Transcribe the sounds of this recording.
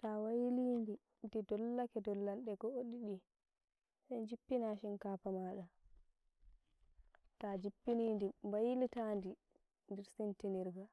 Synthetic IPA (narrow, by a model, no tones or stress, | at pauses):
tawajilindi | ndidɔlːakɛdɔlːanɗɛɡɔoɗiɗi | sajd͡ʒipːinaʃinkaːpamaɗa | tad͡ʒipːinindimbajilitandi | ndɛɾsintiniɾɡa